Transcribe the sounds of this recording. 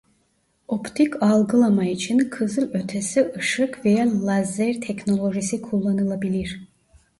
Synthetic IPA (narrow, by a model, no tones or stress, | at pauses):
opt̪ʰikʰalˠɡɯlˠamait͡ʃʰinkʰɯzɯlˠø̞t̪ʰesiʔɯʃɯkvejalˠazɛɾt̪ʰɛcno̞lˠo̞ʒisikʰulˠːanɯlˠabilʲiɾ̥